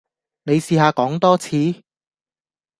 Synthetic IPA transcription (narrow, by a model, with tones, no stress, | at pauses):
ne˨˧jsiː˨˧haː˧kɔː˨˥ŋt̪ɔː˥t͡sʰiː˨˥